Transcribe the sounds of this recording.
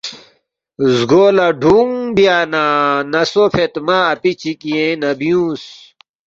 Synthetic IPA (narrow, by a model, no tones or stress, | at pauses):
zɡoːlaɖʱuŋbjaːnanɐsopʰet̪maːpit͡ɕikiẽnɐbijũːs